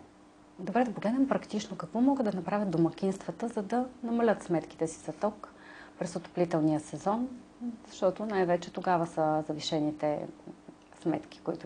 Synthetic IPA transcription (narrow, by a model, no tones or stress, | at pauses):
d̪obɾɛd̪ɐpoɡlɛd̪nɛmpɾɐkt̪it͡ʃnokɐkvɔmɔɡəd̪ɐnɐpɾavʲət̪d̪omɐkʲinst̪vət̪əzɐd̪ɐnɐmɐlʲət̪smɛt̪ki̥t̪ɛsi̥zɐt̪ɔk | pɾɛsot̪o̥plit̪ɛlˠnijəsɛzɔn | zɐʃt̪ɔt̪onajvɛt͡ʃɛt̪oɡavəsəzɐviʃɛnit̪ɛ̰ | smɛt̪k̟i̥koḭt̪ʊ